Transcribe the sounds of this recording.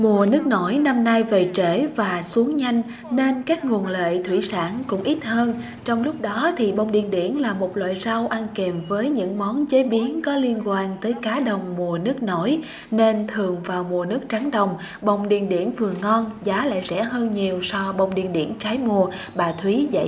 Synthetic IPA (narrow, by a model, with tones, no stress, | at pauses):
mu˨˩ənɨ˦˥ək̚no˧˩jna˧mna˧jve˨˩t͡ɕe˧˩vaː˨˩su˨˦əŋɲa˧jŋ̟ | ne˧nkaː˦˥k̚ŋu˨˩ənlḛ˧˨jt̪ʰwi˧˩sa̰ː˧˩nkʊ̰˧˥ŋ͡mʔi˦˥t̚həː˧n | t͡ɕɔ˧wŋ͡mlʊ˦˥k͡p̚ɗɔ˨˦t̪ʰi˨˩ɓə˨˧˩wŋ͡mɗḭ˧˨ənɗḭ˧˩ənlaː˨˩mo˨˩t̚lwa̰ː˧˨jza˧wʔa˧nke˨˩mvəː˨˦jɲɨ̰˧˥ŋmɔ˨˦nt͡ɕe˨˦ɓi˨˦ənkɔ˨˦li˧ənkwaː˧nt̪əː˨˦jkaː˨˦ɗə˨˩wŋ͡mmu˨˩ənɨ˦˥ək̚no˧˩j | ne˧nt̪ʰɨ˨˩əŋvaː˨˩wmu˨˩ənɨ˦˥ək̚t͡ɕa˨˦ŋɗə˨˩wŋ͡m | ɓə˨˩wŋ͡mɗḭ˧˨ənɗḭ˧˩ənvɨ˨˩əŋɔ˧nzaː˨˦la̰ː˧˨jzɛ̰˧˥ɦəː˧nɲi˨˩əwsɔ˧ɓə˨˧˩wŋ͡mɗḭ˧˨ənɗḭ˧˩ənt͡ɕaː˨˦jmu˨˩ə | ɓaː˨˩t̪ʰwi˨˦za̰˧˨j